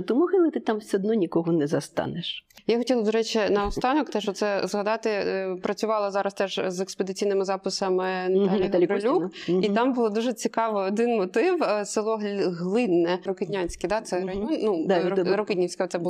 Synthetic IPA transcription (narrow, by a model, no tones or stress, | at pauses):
t̪ʊmɔɦɪlˠɪt̪ɪt̪amsʲɔd̪nɔnʲikɔɦɔnɛzɐst̪ɑ̰nɪʃjaxɔtʲilˠɐd̪ɔɾɛt͡ʃinɐɔst̪ɑnɔkt̪ɛʃt͡ʃɔt̪sɛzɦɐd̪ɑt̪ɪpɾɐt͡sʲʊʋɑlˠɐzɑɾɐst̪ɛʒzeksped̪ɪt͡sʲijnɪmɪzɑpɪsɐmɪnɐt̪ɑlʲiɦ̪ʲɾɔlʲuit̪ɑmbʊlˠɔd̪uʒɛt͡sʲikɑʋɪɔd̪ɪnmɔt̪ɪwsɪlˠɔɦɦlˠɪnːɛɾɔkɪd̪ʲnʲanʲsʲkɪd̪ɑt̪sɛɾɐjɔnnud̪ɾɔkɪdʲnʲisʲkɐt̪sɛbʊlˠ